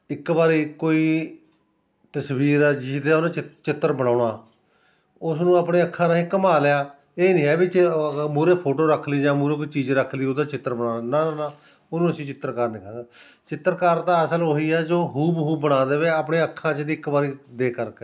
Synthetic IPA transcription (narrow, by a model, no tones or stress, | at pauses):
ɪkbaːɾiːkoːiː | t̪əsʋiːɾɛːd͡ʒɪsd̪eːonãːt͡ʃɪt͡ʃɪt̪ːəɾbəɽaːɽaː | ʊsnũːaːpɳeːəkʰːãːnaːĩːkəmaːlejaː | eːnĩːɦɛːbit͡ʃmuːɾeːpʰoːʈoːɾəkʰliːd͡ʒãːmuːɾeːkoiːt͡ʃiːd͡ʒɾəkʰliːod̪aːt͡ʃɪt̪ːəɾbəɽaːanaːanaː | ʊnũːəsĩːt͡ʃɪt̪ːəɾkaːɾnɪkʰãːɡaː | t͡ʃɪt̪ːəɾkaːɾt̪ãːəsəlɦoːiːɛːd͡ʒoːɦuːbɦuːbəɽaːd̪eːʋeːaːpɳeːəkʰːãːt͡ʃd̪iːɪkbaːɾiːd̪eːkəɾkɛː